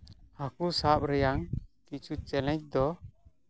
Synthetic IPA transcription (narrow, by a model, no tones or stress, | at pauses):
hakusap̚ɾɛjaŋkit͡ʃut͡ʃɛlɛc̚d̪ɔ